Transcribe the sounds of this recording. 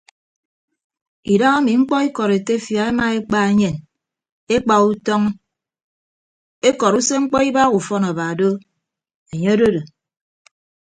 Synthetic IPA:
i˨da˦ŋa˦mi˨ŋ͡m̩˦k͡pɔ˦i˦kɔ˨ɾe˨te˦fja˨e˦ma˨e˦k͡pa˦e˦ɲe˨n | e˦k͡pa˨u˦tɔ˦ŋ˦ | e˦kɔ˨ɾu˦se˦ŋ͡m̩˦k͡pɔ˦i˦ba˦ɣu˨fɔ˦na˨ba˨do˦ | e˨ɲe˦o˦do˦do˨

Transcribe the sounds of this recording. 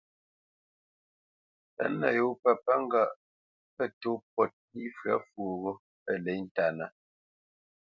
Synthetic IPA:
ə̰˦nə̰˨jo˦pə˨pa˦ŋ˦ɡa˦˨ʔ | pə˦to˦p̚ɔ˦˨t̚i˦fɰa˦fwo˨ɣo˦ | ə˦˨lɛ˨˦jn̩˦ta˨na˦

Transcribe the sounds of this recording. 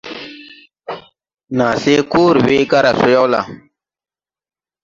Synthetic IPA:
naː˨se˦ku˦ɾwe˦ɡa˦ɾa˨su˦ja˦wla̰˨

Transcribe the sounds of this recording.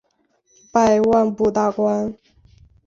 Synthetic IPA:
pa˥˧ɪwa˥˧npu˥˧t̪a˥˩kwa˥n

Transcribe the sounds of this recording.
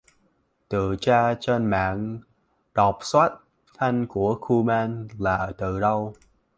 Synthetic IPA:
t̪ɨ̰˧˨t͡ɕaː˧t͡ɕe˧nma̰ː˧˨n | ɗɔ˨˩p̚swa˦˥t̚ | t̪ʰa˧jŋ̟ku˧˩əxu˧maː˧nlaː˨˩˨t̪ɨ̰˧˨ɗə˧w

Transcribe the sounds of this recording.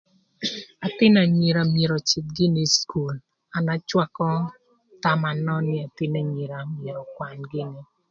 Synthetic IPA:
a˨tɪ˦na˨ɲi˨ɾa˨mje˨ɾɔ˨t͡ʃɪ˨t̚ɡɪ˦ni˦sku˨l | a˨na˦t͡ʃwa˦kɔ˦ | ta˦ma˨nɔ˦nɪ˦a˨tɪ˦na˨ɲi˨ɾa˨mje˨ɾɔ˨kwa˨nɡɪ˦ni˦

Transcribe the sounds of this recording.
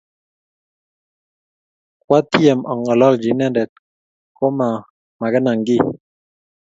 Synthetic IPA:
kwa˦tjɛ˨mʔɔ˨ŋɔ˨lɔ˦˨ld͡ʒi˨nɛ˦dɛ˨t̚ | ko˦ma˨ | ma˨kɛ˦na˨ŋ˨ɡi˦˨

